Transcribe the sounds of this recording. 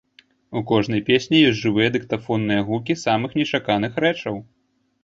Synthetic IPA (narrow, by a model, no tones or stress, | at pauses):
ukɔʐnɐjpʲesʲnʲijɔsʲʐɨvɨjɐd̪ɨkt̪afɔnːɨjɐɣukʲisamɨxnʲɛt͡ʂakanɨxɾɛt͡ʂɐw